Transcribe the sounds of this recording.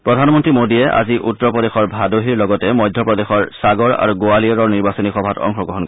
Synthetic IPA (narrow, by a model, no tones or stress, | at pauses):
pɹɔdʱanmɔntɹimodiɛʔa̰ziʔutːɔpɹɔdexɔɹbʱadoɦiɹlɔɡɔtɛmɔjdʱjɔpɹɔdexɔɹsaɡɔɹa̰ɹuɡoaliɔɹɔɹniɹbasɔnixɔbʱatɔ̰ŋxɔɡɹɔɦɔnk